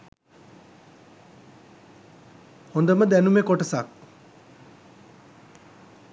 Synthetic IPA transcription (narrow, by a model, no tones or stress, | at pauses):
hond̪əməd̪ænumekoʈəsak̚